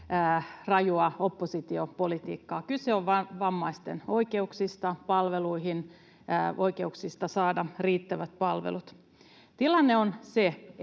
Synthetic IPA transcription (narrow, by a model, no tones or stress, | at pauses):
rɑjuɑopːosit̪iopolit̪ḭːkːɑːkylseoʋʋɑʋɑmːɑist̪eno̞ike̞uksist̪ɑpɑlʋeluiɦin | ʔo̞ike̞uksist̪ɑsɑːdɑriːt̪ːæʋæt̪̚pɑlʋḛlut̪ | t̪ilɑnːeonse